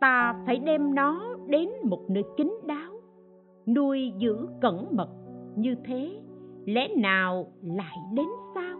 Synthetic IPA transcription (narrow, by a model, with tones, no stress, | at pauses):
t̪aː˧faː˧˩jɗɛ˧mnɔ˨˦ɗe˨˦nmo˨˩t̚nəː˧˩jkï˨˦ŋ̟ɗaː˨˦w | nu˧əjzɨ̰˧˥kə˧˩nmə˨˩t̚ɲɨ˧t̪ʰe˨˦lɛ̰˧˥naː˨˩wla̰ː˧˨jɗe˨˦nsaː˧w